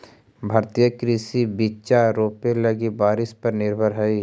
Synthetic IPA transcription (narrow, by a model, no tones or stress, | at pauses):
bʱɐɾt̪ijəkɾɪsibit͡ʃaɾoːpelɐɡibaːɾɪspɐɾnɪɾbʱəɾɦɛi